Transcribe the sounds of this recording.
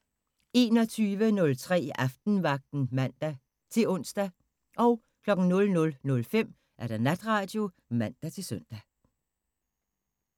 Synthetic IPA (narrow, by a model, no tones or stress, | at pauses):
e̝ːnɒt͡sʰyːʋənɔ̽lt͡sʰʁɛ̰ːʔɑfd̥n̩ʋɑ̈ɡ̥̚d̥n̩mæn̰d̥æ | t͡sʰe̝lɔ̽n̰sd̥æ | ʔɒ̽ʊ | kʰlɒ̽ɡ̥n̩nɔ̽lnɔ̽lnɔ̽lfem̰ | ʔæɐɾ̥ɑnæd̥ʁɑ̈d̥jo̝ | mæn̰d̥æt͡sʰe̝lsœn̰d̥æ